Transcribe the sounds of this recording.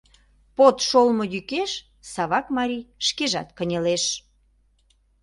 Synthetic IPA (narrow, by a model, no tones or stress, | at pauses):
pot̪ʃolmojykeʃ | sɑβɑkmɑɾijʃkeʒɑ̰t̪kənʲeleʃ